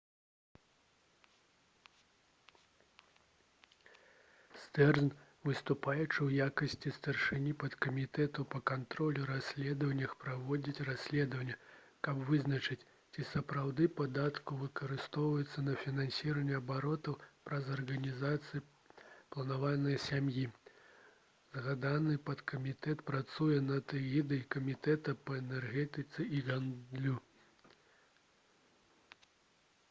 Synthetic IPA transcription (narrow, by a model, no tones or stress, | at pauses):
st̪ɛrzn | vɨst̪upajut͡ʂɨwjakɐsʲt͡sʲist̪ɐrʂɨnʲipɐt̪kɐmʲit̪ɛt̪upɐkant̪ɾɔlʲuɾasʲlʲɛd̪ɐvɐnʲːɐxpɾavɔd͡zʲit͡sʲrasʲlʲɛd̪ɐvɐnʲːɐ | kɐpvɨznɐt͡ʂɨt͡sʲ | t͡sʲisɐpɾawd̪ɨpad̪at̪kuvɨkɐɾɨst̪ɔwvɐjɛt̪sːɐnɐfʲinanʲsʲiɾɐnʲːɛɐbaɾɔt̪ɐwpɾɐzɐrɣɐnʲizat̪sɨji | plˠɐnavalʲnɐjɐsʲamji | zɣad̪anɨpɐt̪kɐmʲit̪ɛt̪pɾat̪sujɛnɐt̪ɨɣʲid̪ɐjikɐmʲit̪ɛt̪ɐpɐɛnɛrɣɛt̪ɨt̪sɨiɣand̪lʲu